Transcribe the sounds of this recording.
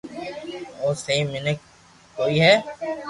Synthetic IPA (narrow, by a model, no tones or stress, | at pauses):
oːsɐĩmɪnək | koːiɦɛː